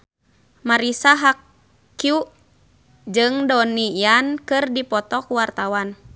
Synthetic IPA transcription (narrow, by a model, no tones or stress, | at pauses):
maɾisaɦakː | ju | d͡ʒɨŋdɔnijankɨrdipɔt̪ɔkuwart̪awan